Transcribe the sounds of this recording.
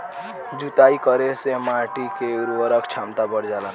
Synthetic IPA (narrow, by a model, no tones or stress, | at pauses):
d͡ʒut̪aikəɾesemãʈikeuɾəɾəkt͡ʃʰamt̪abəɽd͡ʒalan